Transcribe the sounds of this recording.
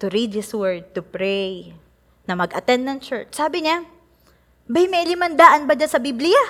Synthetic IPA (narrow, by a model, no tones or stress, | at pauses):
t̪ʊɾid̪̚ðɪswɛɹd̪̚t̪ʊpɾɛj | nɐmɐɡʔɐt̪ɛnd̪̚nɐnt͡ʃɛɹt͡ʃsaːbɪɲa | bɐjmɐjlɪmɐnd̪aːʔɐnbɐd͡ʒasɐbiblɪja